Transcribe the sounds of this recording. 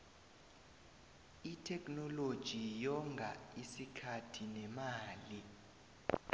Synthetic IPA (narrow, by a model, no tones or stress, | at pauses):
itʰɛkʰʼnɔlod̥ʒ̥ʱijɔŋɡʱaisikʰatʰinɛmaːli